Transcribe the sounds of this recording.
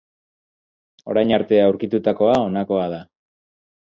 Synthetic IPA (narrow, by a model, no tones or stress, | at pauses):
o̞̰ɾajɲaɾt̪e̞awɾkit̪ut̪ako̞ao̞nako̞að̞a